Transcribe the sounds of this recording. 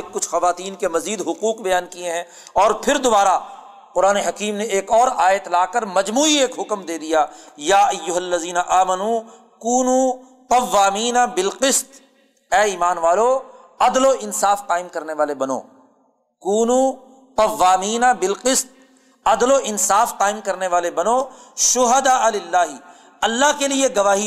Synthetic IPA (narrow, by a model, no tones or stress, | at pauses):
kʊt͡ʃʰxɐʋaːt̪iːnkemɐziːd̪ɦʊquːqbɐjaːnkieɦɛ̃ː | ɔːɾpʰɪɾd̪ʊbaːɾa | qʊɾaːneɦɐkiːmneeːkɔːɾaːjɪət̪laːkəɾmɐd͡ʒmuːieːkɦʊkmd̪eːd̪ijaːjaːʔɐjːʊɦɐlːɐziːnaʔaːmɐnu | kuːnu | qɐʋːaːmiːnabɪlqɪst̪ | ɛːiːmaːnʋaːlo | ɐd̪loʔɪnsaːfqaːɪmkɐɾneʋaːlebɐno̰ː | kuːnu | pɐʋːaːmiːnabɪlqɪst̪̚ | ɐd̪loʔɪnsaːfqaːɪmkɐɾneʋaːlebɐnoːʃʊɦɐd̪aːlɪlːaːɦɪ | ɐlːaɦkelieɡɐʋaːɦi